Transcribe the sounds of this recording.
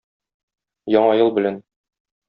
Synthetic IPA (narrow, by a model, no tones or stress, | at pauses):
jɒɴɑjɤlˠbɘ̆læn